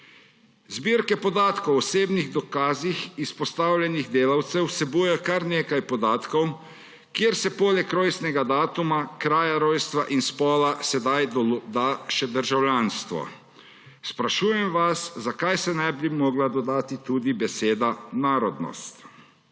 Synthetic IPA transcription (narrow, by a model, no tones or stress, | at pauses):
zbiɾkɛpɔd̪aːt̪kɔwɔseːbniɣd̪ɔkaːzixispɔst̪aːwlʲjɛniɣd̪eːlawt̪sɛwsɛbujɛɛkaɾneːkajpɔd̪aːt̪kɔw | kjeːɾsɛpoːlɛkːɾoːjsnɛɡad̪aːt̪umakɾaːjaɾoːjst̪ʋaʔinspɔːlasɛd̪ajd̪d̪aːʃɛd̪əɾʒawlʲjaːnst̪ʋɔ̰ | spɾaʃuːjɛmʋaszakajsɛnajbimɔːɡlad̪ɔd̪aːt̪it̪ud̪ibɛseːd̪anaːɾɔd̪nɔ̰st̪